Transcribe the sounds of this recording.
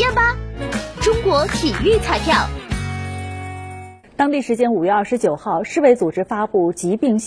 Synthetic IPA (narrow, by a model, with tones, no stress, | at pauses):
ɛ˥˩nbɐ˨ʈ͡ʂʊ˥ŋkwɔ˧˥t̪ʰi˨˩y˥˧t͡sʰa˥˧ɪpʰjɑ˥˩ʊ | t̪ɑ˥ŋt̪i˥˩ʂɻ̩˧˥t͡ɕjɛ˥nu˨˩ɥɛ˥˧ɐ˥˩ʂɻ̩˧˥t͡ɕjo˨˩ʊxɑ˥˧ʊʂɻ̩˥˧we˧˥ɪt͡su˨˩ʈ͡ʂɻ̩˥fa˥pu˥˩t͡ɕi˧˥pi˥˧ŋɕ